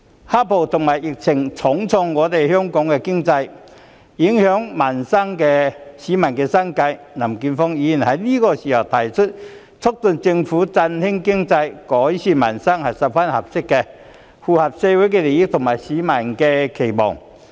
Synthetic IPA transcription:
ha˥pʰo˨˩wt̪ʰʊ˨˩ŋmaː˨˩jjɪ˨k̚t͡sʰɪ˨˩ŋt͡sʰɔ˨˥ŋt͡sʰɔ˧ŋːɔː˨˧t̪e˨jhœː˥ŋkɔː˨˥ŋkɛ˧kɪ˥ŋt͡sɐ˧j | ji˨˦ŋhœː˨˥ŋma˨˩nsɐ˥ŋkɛ˧siː˨˥mɐ˨˩nkɛː˧sɐ˥ŋkɐ˧j | na˨˩mkiː˧nfɔ˥ŋji˧i˨˩nhɐ˨˥jliː˥kɔː˧si˨˩ha˨˩wt̪ʰɐ˨˩jt͡ʃʰɵ˥t̚ | t͡sʰʊ˥k̚t̪ɵ˨˧nt͡sɪ˧ŋfuː˨˥t͡sɐ˧nhɪ˥ŋkɪ˥ŋt͡sɐ˧jkɔː˨˥jsiː˧˥mɐ̰˨˩nsɐ˥ŋhɐ˨˩jsɐ˨˩p̚fa˥nhɐ˨˩p̚sɪ˥kːɛ˧ | fuː˨hɐ˨p̚sɛː˧wu˨˥jkɛː˧le˨˩jɪ˥k̚t̪ʰʊ˨˩ŋmaː˨˩jsiː˨˥mɐ˨˩nkɛ˧kʰe˨˩jmɔ̰ː˨˩ŋ

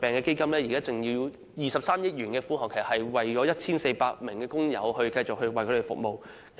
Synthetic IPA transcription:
pɛː˨ŋkɛː˧ke˥jkɐ˥mlɛː˥ji˨˩kaː˥t͡sɪ˨˩ŋji˧ww | jiː˨˩sɐ˨p̚saː˥mjɪ˥k̚jɥyː˨˩nkɛː˧fuː˥ɦɔː˨kʰe˨˩sɐ˨˩hɐ˨jwɐ˨jt͡ʃɔː˨˥jɐ˥t̚t͡sʰiː˥nse˧jpaː˧k̚mɪ˨˩ŋkɛː˧kʊ˥ŋjɐ̰˨˧whɵ˧ɥkɐ˧jt͡sʊ˨k̚hɵ˧ɥwɐ˨˩jkʰɵ˧˥e˨˩fʊ̰˨k̚mo˨w | k

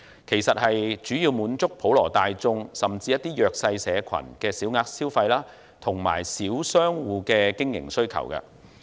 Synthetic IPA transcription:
kʰe˨˩jsɐ˨t̚hɐ˨jt͡ʃyː˨˥jiː˧wmuː˨˥nt͡sʊ˥k̚pʰo˨˥wlɔ̰ː˨˩t̪aː˨jt͡sʊ˧ŋsɐ˨mt͡siː˧jɐ˥t̪̚iː˥jœː˧k̚sɐ˧jsɛː˨˧kʰɐ̰˨˩nkɛː˧siː˨˥wŋaː˧k̚siː˥wfɐ˧jlaː˥ | t̪ʰʊ˨˩ŋma̰ː˨˩jsiː˨˥wsœː˥ŋwuː˨˧kɛː˧kɪ˥ŋjɪ̰˨˩ŋsɵ˥ɥkʰɐ̰˨˩wkɐ̰˧

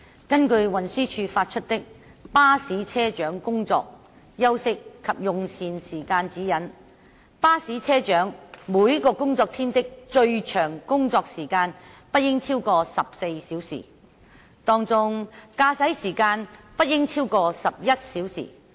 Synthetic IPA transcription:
kɐ˥nkɵ˧ɥwɐ˨nsyː˥t͡ʃʰyː˧faː˧t̚t͡ʃʰɵ˥t̚t̪ɪ˥k̚ | paː˥siː˨˥t͡sʰɛː˥t͡ʃœː˨˥ŋkʊ˥ŋt͡sɔ̰ː˧k̚ | jɐ˥wsɪ˥kʰːɐ˨p̚jʊ˨˧ŋsiː˨nsiː˨˩kaː˧nt͡siː˨˥jɐ˨˥n | paː˥siː˨˥t͡sʰɛː˥t͡ʃœː˨˥ŋmuː˨˥jkɔː˧kʊ˥ŋt͡sɔː˧k̚t̪ʰiː˥nt̪ɪ˥k̚t͡ʃɵ˧ɥt͡ʃʰœː˨˩ŋkʊ˥ŋt͡sɔː˧k̚siː˨˩kaː˧npɐ˥t̚jɪ˥ŋt͡sʰiː˥wkɔː˧sɐ˨p̚se˧jsiː˨˥wsḭː˨˩ | t̪ɔː˧ŋt͡sʊ˧ŋkaː˧sɐ˨˥jsiː˨˩kaː˧npɐ˥t̚jɪ˥ŋt͡sʰiː˥wkɔː˧sɐ˨p̚jɐ˥t̚siː˨˥wsḭ˨˩

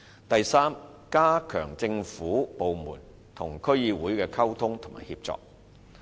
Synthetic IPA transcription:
t̪ɐ˨jsaː˥m | kaː˥kʰœ̰ː˨˩ŋt͡sɪ˧ŋfuː˨˥po˨wmṵː˨˩n | t̪ʰʊ˨˩ŋkʰɵ˥ɥjiː˧wuː˨˥jkɛː˧kʰɐ˥wt̪ʰʊ˥ŋt̪ʰʊ˨˩ma̰ː˨˩hḭ˧p̚t͡sɔ̰ː˨˧k̚

